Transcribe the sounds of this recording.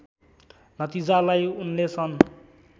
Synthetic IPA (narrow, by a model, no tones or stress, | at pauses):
nʌt̪id͡zalajunlet͡sʰʌn